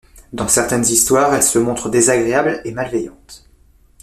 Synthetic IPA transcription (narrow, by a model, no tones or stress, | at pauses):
d̪ɑ̃sɛʁt̪ɛnzist̪waːʁɛlsəmɔ̃t̪χəd̪ezaɡʁeablemalvɛjɑ̰̃t̪